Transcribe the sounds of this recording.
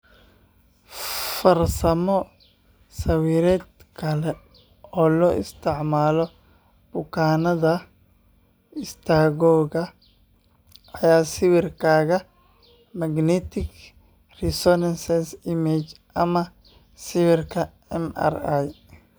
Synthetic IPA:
fɐrsɐmɔ | sɐwiːɾɛːd̪kʰɐlɛ | ɔːlɔːʔɪ̰st̪ʰɪʕmaːlɔ | b̥ʊkʰaːnɐðɐ | ɪst̪ʰaːɣɔːɣɐ | ɐjaːsɪwɪrkʰaːɣɐ | mɐɡnɛt̪ʰɪɡ | rɪsɔnɐnsɛsɪmɛt͡ʃʔɐmɐ | sɪwɪrkʰɐ | ɛma̰raj

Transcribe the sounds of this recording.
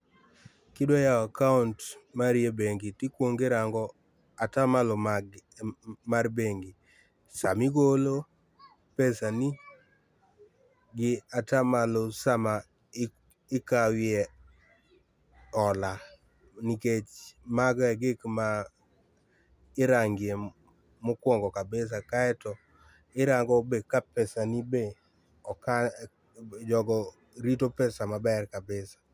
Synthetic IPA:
kɪdwojaakauntmaɾjebeŋɡitɪkwoŋɡɪɾaŋɡɔ | atamalɔmaɡ | marbeŋɡi | samɪɡolo | pɛsani | ɡɪatamalosama | ɪkawɪjɛ | ɔla | niket͡ʃmaɡɛɡɪkma | ɪɾaŋɡɪe | mokwɔŋɡɔkabes̬akaɛtɔ | ɪɾaŋɡɔbekapɛsanibe | ɔka | d͡ʒɔɡɔ | ɾitopɛsamabɛrkabesḁ

